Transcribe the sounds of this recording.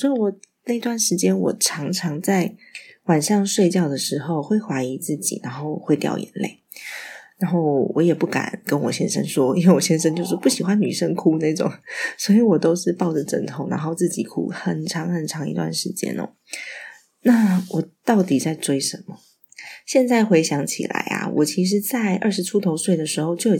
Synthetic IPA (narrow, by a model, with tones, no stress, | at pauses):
swɔ˧˥i˧˥wɔ˨˩na˥˩i˧t̪wa˥˩nʂɻ̩˧˥t͡ɕjɛ˥nwɔ̰˨˩ʈ͡ʂʰɑ˧˥ŋʈ͡ʂʰɑ˧˥ŋt͡sa˥˩ɪwa˨˩nʂɑ˥˧ŋʂwe˥˧ɪt͡ɕjɑ˥˩ʊd̪ə˩ʂɻ̩˧˥xo˥˧ʊxwe˥˩ɪxwa˧˥i˧˥t͡sɹ̩˥˩t͡ɕḭ˨˩na˧˥˦nxo˥˧ʊxwe˥˧ɪt̪jɑ̰˥˩ʊjɛ̰˧˥nlḛ˥˩ɪ | na˧˥nxo˥˩ʊwɔ̰˧˥jɛ˨˩pu˥˩ka̰˨˩nkə˦˥nwɔ̰˨˩ɕjɛ˦˥nʂə̰˥˦nʂwɔ˥i˥nwe˥˩wɔ˨˩ɕjɛ˥nʂ̬ə˥ŋt͡ɕjo˥˧ʊʂɻ̩˥˧pu˥˩ɕi˨˩xwa˦nny˨˩ʂə˥˧nkʰu˥na˥˩ɪʈ͡ʂʊ̰˨˩ŋswɔ˧˥i˧˥wɔ˨˩t̪o˥ʊʂɻ̩˥˧pɑ˥˩ʊʈ͡ʂə˨˩ʈ͡ʂə˧˥˩ŋt̪ʰo˧˥˦na̰˧˥nxo˥˧ʊt͡sɹ̩˥˩t͡ɕḭ˨˩kʰṵ˥xə˨˩nʈ͡ʂʰɑ˧˥ŋxə˨˩nʈ͡ʂʰɑ˧˥ŋḭ˧˥t̪wa̰˥˩nʂɻ̩˧˥t͡ɕjɛ̰˥nə̰˨˩ | na˥˩wʔɔ˨˩t̪ɑ˥˩ʊt̪i˨˩t͡sa˥˩ɪʈ͡ʂwe˥ɪʂə˧˥nmə˨ | ɕjɛ˥˧nt͡sa˥˩ɪxwe˧˥ɪɕjɑ˧˥ŋt͡ɕʰḭ˨˩la̰˧˥ɪa̰˧wʔɔ˨˩t͡ɕʰi˧˥ʂ̬ɻ̩˧˥t͡sa˥˧ɪʔə˞˥˩ʂɻ̩˧˥ʈ͡ʂʰu˥t̪ʰo˧˥ʊswe˥˩ɪd̪ə˩ʂɻ̩˧˥xo˥˧ʊt͡ɕjo˥˩ʊj